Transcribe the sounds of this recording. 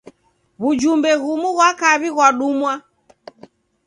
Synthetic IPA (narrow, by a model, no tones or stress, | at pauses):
βud͡ʒumbɛɣumuɣwakaβiɣwaɗumwa